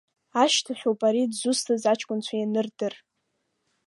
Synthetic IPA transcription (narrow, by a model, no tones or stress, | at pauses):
aʃtʰaħʷᶣopʼaɾidzʊstʰɨzat͡ʃʰʼkʷʼʊnt͡ɕʷʰajanɨrdɨr